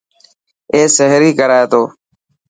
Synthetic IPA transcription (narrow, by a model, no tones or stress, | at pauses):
eːsəɦɾiːkəɾaːeːt̪oː